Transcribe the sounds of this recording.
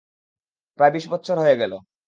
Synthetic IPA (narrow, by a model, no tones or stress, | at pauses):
pɾaebiʃbɔtːɕʰoɾɦoeɡɛlo